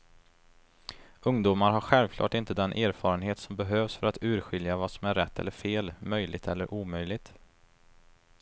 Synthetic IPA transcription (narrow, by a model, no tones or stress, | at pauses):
ɵŋd̪uːmaɾɦaɾɧɛlvkʰlɑ̰ːʈɪnt̪əd̪ɛnʔæːɾfɑːɾənɦeːt̪sɔmbɛɦøːvsfœɾat̪ʉ̟ːɾɧɪljavasɔmæɾːɛt̪ʰːɛ̰lːəɾfeːlmœjlɪɡt̪ʰɛlːəɾʔuːmœjlɪɡ̚t̪